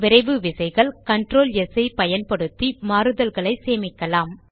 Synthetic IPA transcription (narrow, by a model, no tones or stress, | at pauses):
ʋɪɾɐɪʋɯʋɪsɐɪɣɐɭkɐɳɖɾoːlɛsɐɪpɐjɐnpɐɽɯt̪ːimaːɾɯðɐlɣɐɭɐɪseːmɪkːɐlaːm